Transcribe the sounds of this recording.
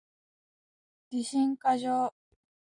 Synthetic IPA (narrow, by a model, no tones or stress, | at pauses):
ɡ̥ʲiɕĩŋkaʑoː